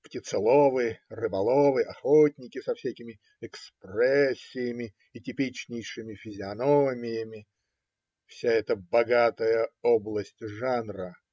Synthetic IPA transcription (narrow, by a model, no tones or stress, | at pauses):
ptʲɪt̪sɨlˠovɨrɨbɐlˠovɨɐxotʲnʲɪkʲɪsɐfsʲækʲɪmʲɪ | ɛksprɛsʲːɪjɪmʲɪ | ɪtʲɪpʲit͡ɕnʲɪjʂɨmʲɪfʲɪzʲɪɐnomʲɪjəmʲɪ | fsʲaɛt̪əbɐɡat̪əjəoblˠəsʲtʲʐanrə